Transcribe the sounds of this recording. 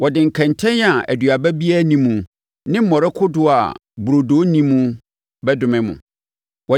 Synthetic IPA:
wɔ˨dɪ̃˨ŋ̩˨kʰɛ̃˨n˨tʰɛ̃˦n˦a˨æ̰˨dɥa˨bæ˦bi˦a˦nĩ˦mũ˨ | nɪ̃˦m̩˦mɔ̃˨ɾɛ˦kʰʊ˦dʊ˦a̰˨bu˨ɾo˨doː˨˦nĩ˦mũ˦ | bɛ˦dʊ̃˨mɪ̃˦mʊ̰̃˨ | wɔ˨

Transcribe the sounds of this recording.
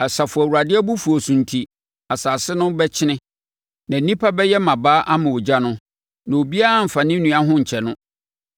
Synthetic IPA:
a˨sa˨fʊ˨æ˨wu˨ɾa˨dɪ˦ɛ˦bu˦fu˨o˨sũ˨n˨tʰi˨ | a˨saː˨sɪ˦nʊ̃˦bɛ˦t͡ɕʰɪ˦nɪ̃˦ | nã˨n̩˦nĩ˦pʰa˦bɛ˦jɛ˦mã˨baː˦ʔa˦mã˨wo˨d͡ʑa˦nʊ̃˦ | nã˨o˨bi˦a˦a˦˨m̩˨fã˨nɪ̃˦nũ˨a˦ɦʊ̃˦ɲ̩˨t͡ɕʰɛ˨nʊ̃˦

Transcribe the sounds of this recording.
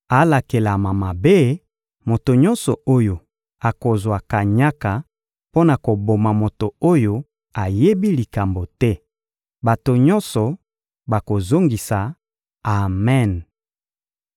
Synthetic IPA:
a˨˦la˨ke˨la˨ma˨ma˨be˦ | mo˨to˨ɲɔ̃˦nsɔ˨o˦jo˨ | a˨ko˨zwa˨ka˨ɲa˦ka˨ | po˦na˨ko˨bo˨ma˨mo˨to˨o˦jo˦ | a˨je˦bi˦li˨ka˨mbo˨tɛ˦ | ba˨to˨ɲɔ˦nsɔ˨ | ba˨ko˨zo˦ŋɡi˨sa˨ | a˨mɛ˦˨n

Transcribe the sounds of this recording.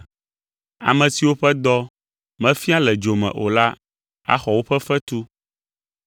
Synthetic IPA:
a̰˨mɛ̃˨si˨wo˦ɸɛ˦d̪ɔ˦ | mɛ̃˦fi˦a˦lɛ˨d͡ʒo˨mɛ̰̃˨ʔo̰˨la˦ | a̰˦xɔ˨wo˦ɸɛ˦fɛ˦t̪u˦

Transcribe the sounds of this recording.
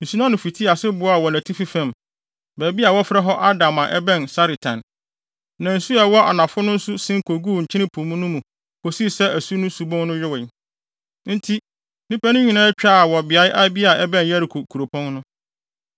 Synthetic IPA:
n̩˨su˨˦nã˦nʊ̃˨fi˨tʰi˦a˨sɪ˦bʊ˦a˨wɔ˨næ̃˨tʰi˦fi˦fã˨m | bæː˨bi˦a˨wɔ˦fɾɛ˦ɦɔ˦ʔa˦dã˨mã˨ʔɛ˦bɛ̃˦nsa˦ɾi˨tʰã̰˨n | nã˨n̩˨su˦ɛ˨wɔ˦ʔa̰˨nã˨fʊ˦nʊ̃˦n̩˦su˦sɪ̃˦ŋ˦kʰo˨ɡuː˦˨ɲ̩˨t͡ɕʰɪ˦nɪ̃˦pʰũ˨mũ˦nʊ̃˦mũ˨ | kʰo˨si˦˨sɛ˦ʔæ˨su˦nʊ̃˦su˨bɔ̃˦nnʊ̃˦jᶣɪ˦wɪ̃˨ | n̩˦tʰi˦ | nĩ˦pæ˦nʊ̃˦ɲĩ˨˦nãː˦t͡ɕᶣaː˦a˨wɔ˨bɪ˨a˨˦ɪ˦ʔa˦bi˦a˨ɛ˦bɛ̃˦n˨jɛ˦ɾi˨kʰo˨kʰu˨ɾo˨pʰɔ̃˦nnʊ̃˦

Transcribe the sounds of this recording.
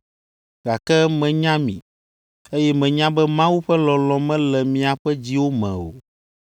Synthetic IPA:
ɡa˨kɛ˦mɛ̃˨ɲã˦mḭ̃˨ | e˦jɛ˦mɛ̃˨ɲã˦bɛ˦mã˦wu˦ɸɛ˦lɔ̃˨lɔ̃˨mɛ̃˦lɛ˨mĩ˨a˨ɸɛ˦d͡ʑi˦wo˦mɛ̰̃˨o̰˨

